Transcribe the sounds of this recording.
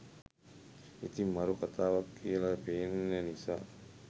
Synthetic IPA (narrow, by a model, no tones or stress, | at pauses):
it̪imaɾukat̪aːʋakːiəlapeːnːənisa̰